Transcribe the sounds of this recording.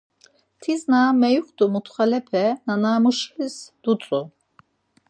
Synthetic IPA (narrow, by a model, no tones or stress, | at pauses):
t̪ʰiznamɛjuχd̪umut̪χalɛpʰɛnanaːmuʃlisd̪̥ut͡sʼu